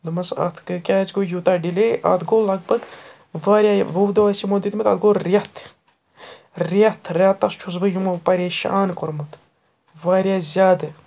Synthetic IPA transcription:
d̪ɨmɐsɐ̰t̪ʰkɨkʲaːt͡ʃɡoːjuːt̪aːɖileːʔɐ̰d̪ɡoːlɐɡ̚bɐɡ | ʋaːɾʲjaːʋɐwd̪ɐʋaːsimod̪it̪mɐt̪ɐ̰t̪̚ɡoːɾɐt̪ʰ | ɾat̪ʰɾʲaːt̪ːɐst͡ʃʰus̬bɨjumɐpɐɾeːʃa̰ːnkoɾmut̪ | ʋaːɾjaːzʲaːd̪ɨ

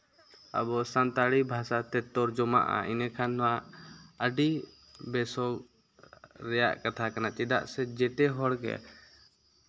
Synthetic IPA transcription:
a̰bɔsant̪aɽibʱasat̪ɛt̪ɔɾd͡ʒɔma̰ʔa̰inɛkʰanwaəɖi | bɛsɔɡ | ɾɛja̰ʔkat̪ʰakanat͡ʃɛd̪a̰ʔsɛd͡ʒɛʈ̪ɛɦɔɽkɛ̰

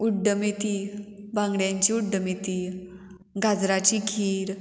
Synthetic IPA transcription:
uɖəmit̪ibʱãŋɡɽjãɲt͡ɕiːuɖːəmit̪i | ɡʱad͡zɾat͡ɕiɡʰʱiːɾ

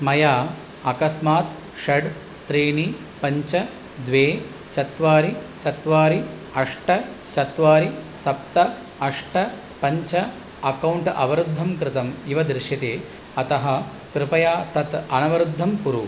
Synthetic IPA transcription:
smɐjaː | ɐkɐsmaːt̪ | ʃɐɖ | t̪ɾiːɳi | pɐɲt͡ʃɐ | d̪ʋeː | t͡ʃɐt̪ʋaːɾit͡ʃɐt̪ʋaːɾi | ɐʂʈɐ | t͡ʃɐt̪ʋaːɾisɐp̚t̪ɐ | ɐʂʈɐ | pɐɲt͡ʃɐ | ɐkɐwɳʈɐʋɐɾud̪ʱːɐmkɾɪt̪ɐmiʋɐd̪ɾɪʃjɐt̪eː | ɐt̪ɐɦɐ̆ | kɾɪpɐjaːt̪ɐt̪ɐnɐʋɐɾud̪ʱːɐmpuɾu

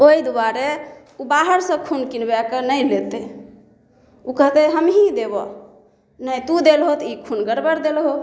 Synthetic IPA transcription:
oid̪uwaɾe | ubaɦəɾsə̃kʰunkinbakənəjlet̪e | ukəɦt̪eɦəmɦid̪ebɔ̰ | nəjt̪ud̪elɦot̪ikʰunɡəɾbəɾd̪elɦo

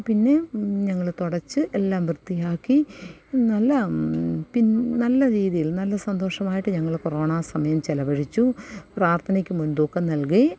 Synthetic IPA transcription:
pinːe̞ɲɐŋːɐɭt̪oɽɐt͡ɕːɨʔelːaːmʋrɨt̪ːijaːkːinɐlːɐpinnɐlːɐɾiːðijilnɐlːɐsɐnd̪o̞ːʂɐmaːjiʈːɨɲɐŋːɐɭkoroːɳaːsɐmɐjɐmt͡ɕelɐbɐɻit͡ɕːupraːrt̪ʰɐnikʲːumund̪oːkːɐnɐlke

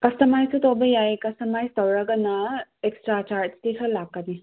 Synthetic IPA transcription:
kɐstɐmajsutobɐjajkɐstɐmajstɐwɾɐɡɐnɐekstɾat͡ʃaɾstetʰɐlakːɐni

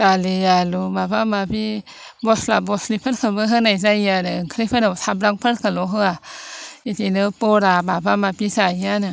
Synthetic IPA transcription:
talijalumapamapi | bɔslabɔslipʰəkʰabɯɦɯnajsajanaŋkʰɾipʰanat̪ʰabɾaŋpʰət̚kʰaloɦɯaitinɯpoɾabapamapisajiana

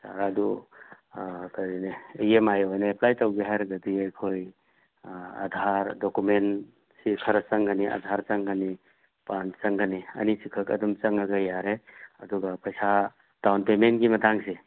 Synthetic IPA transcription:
ta̰ɡadu | kadineejemajojnaeplajtawɡeɦaɾɡɐdiejkʰoj | ɐ̰d̪ʱaɾdokumen | sikʰɐɾɐsɐŋɡaniʔa̰dʱaɾt͡ʃɐŋɡani | pant͡ʃɐŋɡaniɐ̰nisikʰɐkɐ̰dumt͡ʃɐŋɐɡɐjaɾeɐduɡapɐjsa | tawnpementɡimɐtaŋse

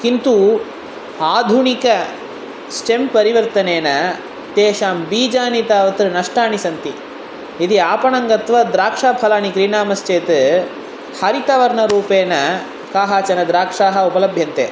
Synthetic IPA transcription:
kint̪u | aːd̪ʱuɳikɐ | sʈempɐɾiʋɐɾt̪ɐneːnɐ | t̪eːʃaːmbiːd͡ʒaːnit̪aːʋɐt̪ɾɨnɐʂʈaːɳisɐnt̪i | id̪iaːpɐɳɐŋɡɐt̪ʋɐd̪ɾaːkʂaːpʰɐlaːnikɾiɳaːmɐst͡ʃeːt̪ | hɐɾit̪ɐʋɐɾɳɐɾuːpeːnɐ | kaːɦaːt͡ʃɐnɐd̪ɾaːkʂaːɦɐupɐlɐbʱjɐnt̪ḛː

